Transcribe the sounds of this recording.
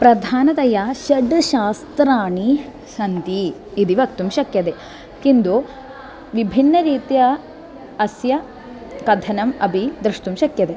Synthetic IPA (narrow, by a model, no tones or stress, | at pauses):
pɾɐd̪ʱaːnɐt̪ɐjaʃɐɖɨʃaːst̪ɾaːɳi | ʃɐnt̪iːd̪iʋɐkt̪umʃɐkjɐd̪eː | kind̪u | ʋibʱinːɐɾiːt̪jɐ | ɐsjɐ | kɐd̪ʱʰɐnɐmɐbʱid̪ɾiʃt̪umʃɐkjɐd̪eː